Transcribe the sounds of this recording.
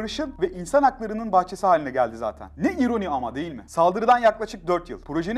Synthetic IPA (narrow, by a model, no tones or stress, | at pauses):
ɾɯʃɯnvɛʔinsanaklˠaɾɯnɯnbaxt͡ʃʰesɯɦaːlʲinɛɟælʲd̪iza̰ːt̪ʰæ̰nːɛiɾo̞nʲiamad̪e̞jilʲmɪsalˠd̪ɯɾɯd̪anjaklˠaʃɯk̚d̪øɾt̪jɯ̰lˠpʰɾo̞ʒen